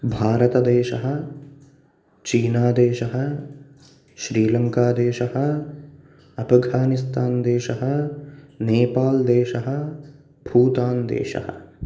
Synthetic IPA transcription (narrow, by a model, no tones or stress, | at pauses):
bʱaːɾɐt̪ɐd̪eːʃɐɦɐ̆ | t͡ʃiːnaːd̪eːʃɐɦɐ̆ | ʃɾiːlɐŋkaːd̪eːʃɐɦɐ̆ | ɐpʰɐɡʱaːnist̪aːnd̪eːʃɐɦɐ̆ | neːpaːld̪eːʃɐɦɐ̆ | bʱuːt̪aːnd̪ḛːʃɐ̰hɐ̰